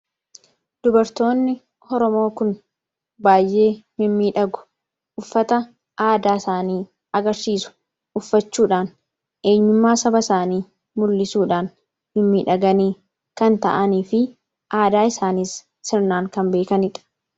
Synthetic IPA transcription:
d̪̥ʊbɐɾt̪o̞ːnːɪ | hɔɾɔmo̞ːkʊn | baːjʔe̞ːmɪmːiːᶑɐɡʊ̥ | ʊfːɐt̪ɐ | ʔaːd̪aːɪsaːniː | ɐɡɐɾsiːsʊ̥ | ʊfːɐt͡ʃːuːᶑaːn | ʔe̞ːɲːʊmːaːsɐbɐsaːniː | mʊlːɪsuːᶑaːn | mɪmːiːᶑɐɡɐniː | kɐnt̪ɐ̰ʔɐniːfɪ | ʔaːd̪aːɪsaːniːsː | ɪɾnaːŋkɐmbe̞ːkɐnɪᶑɐ̥

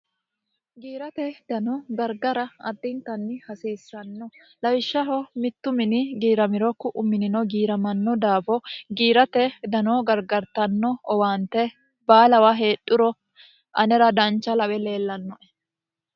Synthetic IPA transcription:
ɡiːɾɐt̪ɛd̪ɐnɔɡɐɾɡɐɾɐɐ̰d̪ːɪnt̪ɐnːɪhɐsiːsːɐnːɔ | lɐwɪʃːɐɦɔmɪt̪ːʊmɪnɪɡiːɾɐmɪɾɔkːʊʔʊmɪnɪnɔɡiːɾɐmɐnːɔd̪aːfɔɡiːɾɐt̪ɛd̪ɐnɔːɡɐɾɡɐɾt̪ɐnːɔɔwaːnt̪ɛ | baːlɐwaɦe̞ːɗːʊɾɔ | ʔɐnɛɾɐd̪ɐnt͡ʃːɐlɐwɛle̞ːlːɐnːɔʔɛ̥

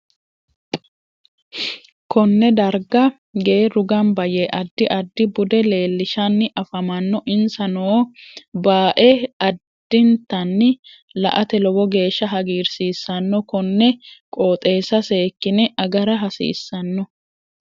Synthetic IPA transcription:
kɔnːɛd̪ɐɾɡɐ | ɡeːɾʊɡɐnbɐjeʔɐd̪ːɪʔɐd̪ːɪbʊd̪ɛle̞ːlːɪʃɐnːɪʔɐfɐmɐnːɔʔɪnsɐnoːbaːʔɛɐd̪̥ːɪnt̪ːɐnːɪ | lɐ̰ʔɐt̪ɛlɔbɔɡe̞ːʃːɐɦɐɡiːɾsiːsːɐnːɔkɔnːɛkʼoːt̪ʼe̞ːsɐse̞ːkːɪnɪʔɐɡɐɾɐɦɐsḭːsːɐnːɔ

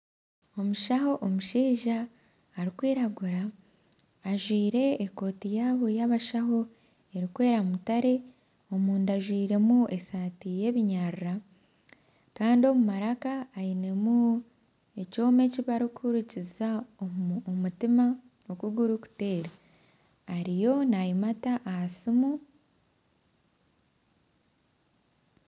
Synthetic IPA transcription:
o̞muʃaɦo̞ʔomuʃiːʒaː | ɾikwiːɾaɡuɾaː | ʒwiːɾe̞ːko̞ːtijaːβo̞jaβaʃaho̞ | e̞ɾikwe̞ːɾamutaɾe̞ | o̞muːndaʒwiːɾe̞mue̞saːtije̞βiɲaɾuɾa | kaːndio̞mumaɾakaːjine̞mu | e̞co̞ːme̞ciβaɾikʰuɾuciza | mutima | okuɡuɾuku̥te̞ːɾaː | ɾijo̞najimataʔːhasimu

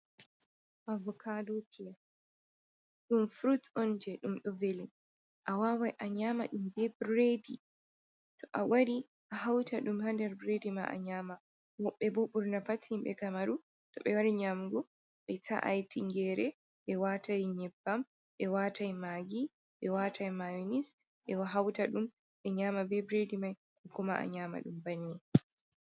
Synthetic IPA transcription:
ʔavɔkʰadukʰɛ | ɗumfɾutɔnd͡ʒɛɗumɗɔvelin | ʔawaːwajʔaɲama̰ɗumbɛbɾedi | tɔʔawaɾi | ʔaɦawtaɗumhandɛɾbɾedima̰ʔa̰ɲaːma | wɔɓːɛboɓuɾnapatʰːimɓɛ̰kamaɾu | tɔɓɛwaɾiɲamɡɔ | ɓɛtʰa̰ʔa̰jtiŋɡɛːɾɛ | ɓɛwatajɲɛbːam | ɓɛwatajmaːɡi | ɓɛwatʰajmajnis | ɓɛwaɦawtaɗum | ɓɛɲaːmabɛbɾedimaj | ʔɛkɔma̰ʔa̰ɲaːma̰ɗumbanːi

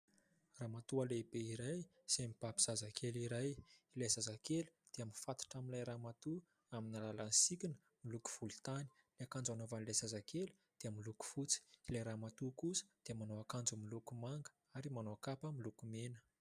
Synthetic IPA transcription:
raːmat̪ualebeiɾaj | semib̥abiz̥azakʰeliɾajilajzazakelu̥d̪̥eaminfat̪u̥ʈ͡ʂamilajɾaːmat̪u | aminalalansikʲinə̥ | miluku̥v̥ulit̪ani̥ | leakand͡zanovanilajzazakʰelu̥ | d̪̥eamiluku̥fut͡si̥ilajɾamat̪ukusə̥d̪̥emanoakand͡zumilukumaŋɡə̥ | aɾimanoakapəmilukumenə̥

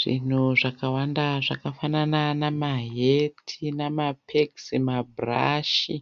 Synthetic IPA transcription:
ʐ̥ḭn̤uʐakawandaʐakafanananamaɦetʰinamapʰeksimabra̰ʃi

